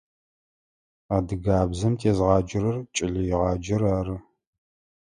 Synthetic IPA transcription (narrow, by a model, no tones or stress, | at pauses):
aːdɨɡaːbzɐmtʰeːzʁɑːd͡ʒɪɾɐrt͡ʃʼɪɮɨjɪʁɑːd͡ʒɐɾaːɾɨ